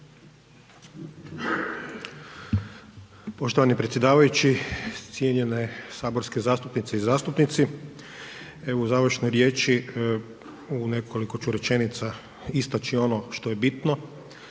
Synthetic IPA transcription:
po̞ʃt̪oʋanipɾet̪sjed̪aːʋajut͡ʃit̪sjeɲe̞nesaːbo̞ɾske̞zaːst̪upnit̪seizaːst̪upnit̪si | euzaːʋɾ̩ʃnojɾjeːt͡ʃi | une̞kʰo̞liko̞t͡ʃuɾe̞t͡ʃe̞nit̪sa | ist̪at͡ʃio̞noʃt̪ojebit̪no̞

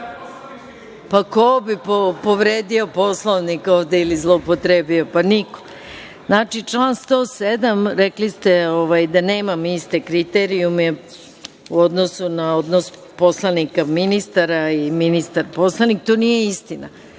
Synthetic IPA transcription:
pakobipopoʋɾeːd̪io̞po̞slˠoʋnikoːʋd̪eilizlˠoupot̪ɾebio̞paniko̥ | znaːt͡ʃit͡ʂlaːnst̪o̞sed̪amɾeklist̪eoʋajd̪ane̞ːmamist̪ekɾit̪eɾiumɛe | uo̞d̪no̞sunao̞d̪nos | po̞slˠanikaminist̪aɾaiminist̪aɾpo̞slˠanik̚t̪onijeist̪ina

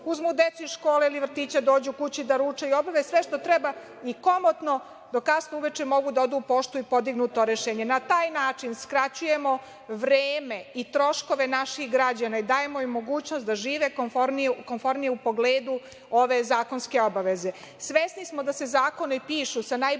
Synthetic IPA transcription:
uzmud̪et̪suiʃkoːleiliʋr̩t̪iːt͡ɕad̪o̞ːd͡ʑukut͡ɕid̪aɾuːt͡ʂaio̞baʋesʋeʃt̪o̞t̪ɾɛba | iko̞mot̪no̞ | d̪okasnouʋet͡ʃemo̞ɡud̪aod̪uːpo̞ʃt̪uipo̞d̪iɡnut̪o̞ɾeʃeːɲenat̪aːjnaːt͡ʂinskɾat͡ɕuje̞mo̞ | ʋɾeːme̞it̪ɾo̞ʃko̞ʋe̞naʃixɡɾad͡ʑanaid̪aːje̞moimːoɡuːt͡ɕnost̪d̪aʒiːʋekonfoɾnikonfo̞ɾnijeupo̞ɡleːd̪u | o̞ʋe̞zaːko̞nske̞o̞baʋe̞ze̞ | sʋesnismo̞d̪ase̞zaːko̞nopiːʃusanaj

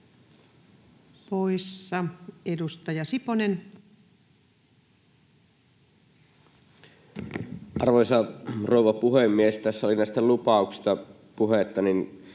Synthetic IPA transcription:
poisːɑedust̪ɑjɑsiponen | ʔɑrʋoˑjsɑroˑuʋɑpuhemːiest̪æsːæolinæˑist̪ælupɑˑuksi̥st̪ɑ | puhet̪ːɑnin

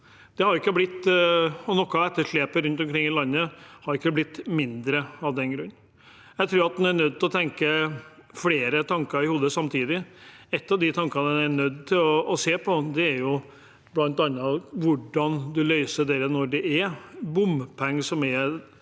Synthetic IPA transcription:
d̪̥ɛhɑɾɪkːəblɪt̪ːɔnɔkːɑɛt̪ːəʂɭeːpəɾʉnt̪ɔmkʰɾɪŋːɪlɑnːəhɑɾɪkːəblɪt̪ːmɪnd̪ɾəɑʋd̪ɛnɡɾʉnː | jæɪt̪ʰɾuːɾɑt̪d̪ɛnæɳœd̪̚ːt̪ɪlɔt̪ʰɛŋkəfleːɾət̪ʰɑŋkəɾɪhuːd̪əsɑmt̪ʰiːd̪ɪɛt̪ːɑʋd̪ɪt̪ʰɑŋkənəd̪ɛnæɾɳœd̪ːt̪ʰɪlɔːseːpʰɔd̪ɛæɾjʊ | blɑnt̪ɑnːəʋʊɖɑnd̪ʉlœʏsəɖɛɾənɔɖɛʔæɾbʊmpʰɛŋːsɔmɛɾ

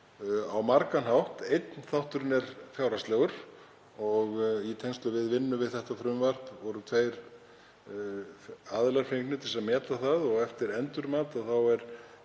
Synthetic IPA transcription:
awmaɾkanɦawht̪ejt̪nθawht̪ʏɾnɛɾfjawɾast̪lɛɣʏɾ̥ | ɔɣit̪ʰejŋst̪lʏvɪðvɪnːʏmvɪðθɛht̪afɾʏmvar̥pvɔɾʏt̪ʰveːjɾ | aðlaɾ̥feŋknʏt̪ʰɪlsɛmɛːt̪laθaðɔɣɛft̪ɪɾɛnt̪ʏɾmaːt̪aðθawɛɾ̥

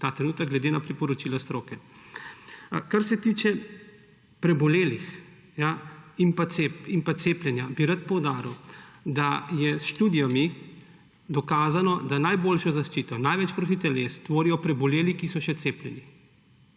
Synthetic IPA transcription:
t̪aːt̪ɾɛnuːt̪ɐɡ̚ɡlɛd̪enapɾipɔɾɔt͡ʃiːlast̪ɾoːkɛ | kaɾsɛt̪iːt͡ʃɛ | pɾɛbɔleːlix | jaimpasepimpat̪seːplʲjɛnjabiɾat̪̚pɔwd̪aːɾiwd̪ajɛsʃt̪uːd̪ijami | d̪ɔkaːzanɔd̪anajboːlʃɔzaʃt͡ʃiːt̪ɔnajʋɛt͡ʃpɾot̪̬it̪ɛlest̪ʋoːɾijɔpɾɛbɔleːlikisɔʃɛt̪seːplʲɛni

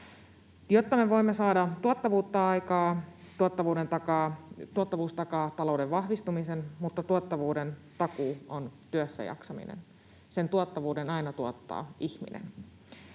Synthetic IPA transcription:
jot̪ːɑme̞ʋo̞imːesɑːdɑt̪uot̪ːɑʋuːt̪ːɑɑjkɑː | t̪uot̪ːɑʋuːde̞nt̪ɑkɑːt̪uot̪ːɑʋuːst̪ɑkɑːt̪ɑlo̞udeʋʋɑhʋist̪umisenmut̪ːɑt̪uɑt̪ːɑʋuːdent̪ɑkuːont̪yøsːæ̰jɑ̰ksɑmḭnḛn | se̞nt̪uɑt̪ːɑʋuːdenɑinɑt̪uɑt̪ːɑ̰ːʔiçmḭnḛn

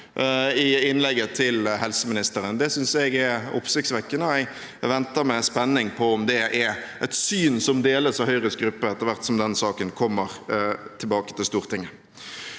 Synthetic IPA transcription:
ɪɪnlɛɡːət̪ʰɪlɦɛlsəmɪnɪst̪əɾənd̪ɛsʏnsɛɡɛʊ̰psɪktsʋɛkːənəæɪ | ʋɛnt̪əɾmɛspɛnːɪŋpʰɔʊmd̪ɛʔɛʔɛt̪syːnsɔmd̪eːləsɑhœʏʁəsɡɾʉpːəɛt̪ːəʁɾʋæʁt̪sɔmd̪ɛnsɑːkənkʰɔmːəʁt̪ʰɪlbɑːkə̥t̪ʰɪlst̪uːʁt̪ʰɪŋːə

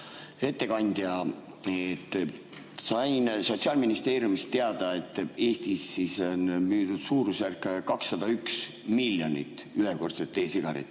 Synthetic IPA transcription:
e̞t̪ːe̞kɑnʲd̪̥jɑ | et̪ː | sɑjnso̞t̪siɑːlminist̪e̞ːɾjumist̪t̪ːe̞ɑd̪̥ɑe̞t̪ːˑe̞ːst̪isːisonmyːd̪ud̪̥suːɾusærkːˑkɑksːɑd̪̥ɑyks | milːjo̞nʲḭt̪ːˑyɦeko̞rt̪set̪ːˑe̞ːsiɡ̥ɑɾḭt̪ːˑ

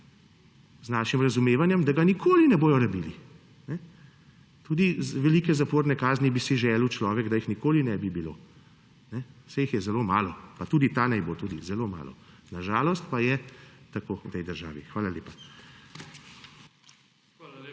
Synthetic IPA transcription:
znaːʃimɾɐzumeːʋanjɛmd̪aɡanikʰoːlinɛboːjɔɾabiːli | nɛ | t̪uːd̪izʋɛliːkɛzapoːɾnɛkaːznibisiʒɛːlwt͡ʃlɔːʋɛɡd̪ajixnikoːlinɛbibilo̰ː | nɛsɛjixjɛzɛloːmaːlɔpat̪uːd̪it̪anɛjbot̪uːd̪izɛloma̰ːlɔ̰naʒaːlɔst̪pajɛt̪akoːut̪ɛjd̪əɾʒa̰ːʋixʋaːlaleːpa

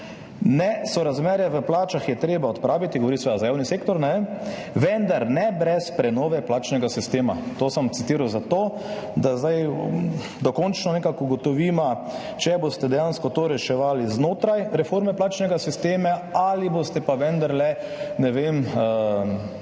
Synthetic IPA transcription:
nɛsɔɾazmɛɾjɛʋəplaːt͡ʃaxjɛt̪ɾeːbaɔt̪pɾaːʋit̪iɡɔʋɔɾisʋed̪azajaːwniseːkt̪ɔɾnɛ | ʋɛnd̪aɾnɛbɾɛspɾɛnɔːʋɛplaːt͡ʃnɛɡasist̪eːma̰t̪oːsəmt̪sit̪iːɾawzat̪oː | d̪azd̪aj | d̪ɔkɔnt͡ʃnɔnɛkakɔɡɔt̪ɔʋiːma | t͡ʃɛbost̪ɛd̪ɛjanskɔt̪oːɾɛʃɛʋaːliznoːt̪ɾajɾɛfoɾmɛplaːt͡ʃnɛɡasist̪eːmaalibost̪ɛpaʋɛnd̪aɾlɛnɛʋem

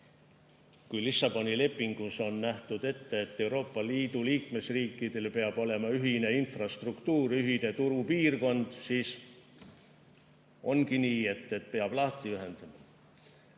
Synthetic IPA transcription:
kujlisɑb̥o̞nʲile̞pːˑiŋɡ̥uso̞nːæht̪ud̪̥e̞t̪ːeːt̪ːe̞wɾo̞ːpːɑliːd̪̥uliːkme̞sriːkːˑid̪̥e̞lpe̞ɑb̥o̞le̞mɑyɦine̞infrɑst̪rukt̪uːɾyɦine̞t̪uɾupiːrko̞nd̪̥siːs | o̞nɡiniːe̞t̪ːe̞t̪pe̞ɑb̥lɑːt̪ːˑiyɦe̞nd̪̥ɑmɑ

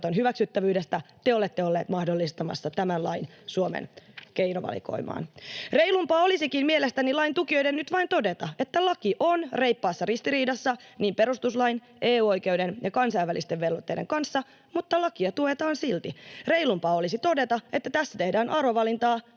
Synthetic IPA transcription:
t̪onɦyʋæksyt̪ːæʋyːdest̪æt̪eole̞t̪ːeolːeːt̪mɑhdolːist̪ɑmɑ̰sːɑt̪æmænlɑinsuomḛnkejnoʋɑ̰lḭko̰imɑ̰ːnreijlumpɑːo̞lisikinmielest̪ænilɑint̪ukio̞jdennyt̪ʋɑint̪o̞de̞t̪ɑe̞t̪ːælɑkiʔonre̞jpːɑːsːɑrist̪iɾiːdɑsːɑniːmpeɾust̪uslɑin | eːuːo̞jkeydenjɑkɑnsɑjʋːælist̪eʋʋelʋot̪ːeideŋkɑnsːɑ | mut̪ːɑlɑkiɑt̪ue̞t̪ɑːnsilt̪ireilumpɑːolisit̪o̞de̞t̪ɑe̞t̪ːæt̪æsːæ̥t̪ehdæːnʔɑroʋɑlint̪ɑː

